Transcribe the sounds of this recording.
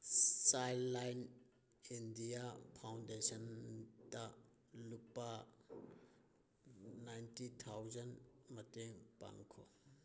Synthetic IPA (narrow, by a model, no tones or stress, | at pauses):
sajlːajn | indiapʰawndesɔnta | lupa | najntit̪ʰawzanmɐteŋpa̰ŋkʰɔ